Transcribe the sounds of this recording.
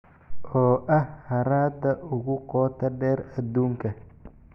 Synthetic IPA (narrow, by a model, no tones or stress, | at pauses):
ʔɔːʔɐhhɐɾaːd̪ɐʔʊɣʊqɔːt̪ʰɐɖɛːɾɐd̪uːŋkʰɐ